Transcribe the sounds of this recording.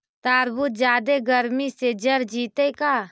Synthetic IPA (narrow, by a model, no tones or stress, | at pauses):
t̪aːɾbʊt̪̚d͡ʒaːd̪eɡəɾmised͡ʒɐɾd͡ʒiːt̪ekaː